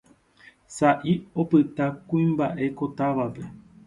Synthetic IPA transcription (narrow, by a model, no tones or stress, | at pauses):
saʔiopɨt̪akũĩmbaʔekot̪aʋape